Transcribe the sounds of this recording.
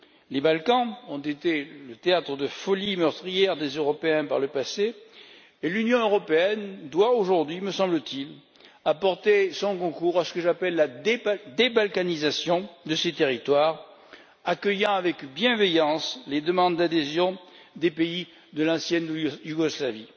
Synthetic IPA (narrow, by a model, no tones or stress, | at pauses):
lebalkɑ̃ɔ̃t̪et̪elət̪eat̪χəd̪əfɔlimœʁt̪χijɛʁd̪ezøʁɔpeɛ̃paʁləpaseː | lynjɔ̃øʁɔpeɛnd̪waoʒuʁd̪ɥiməsɑ̃blət̪il | apɔʁt̪esɔ̃kɔ̃kuʁasə̥kəʒapɛlːad̪d̪ebalkanizasjɔ̃d̪əset̪eʁit̪waʁ | akəjɑ̃avɛkbjɛ̃vejɑ̃sled̪əmɑ̃d̪d̪ad̪ezjɔ̃ | d̪epei | d̪əlɑ̃sjɛnjuɡɔslavi